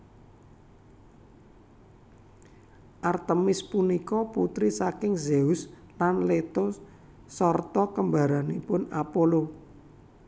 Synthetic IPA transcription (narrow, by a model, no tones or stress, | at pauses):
ʔart̪əmɪspunikɔput̪ɾisakɪŋzeus | lanlet̪o | sɔrt̪ɔkəmbaɾanipʊnapolo